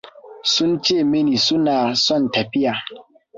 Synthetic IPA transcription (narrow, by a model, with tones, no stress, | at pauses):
su˦n˦t͡ʃe˦˨me˦ni˨su˦na˨sɔ˦˨n˨ta˨pi˦ja˨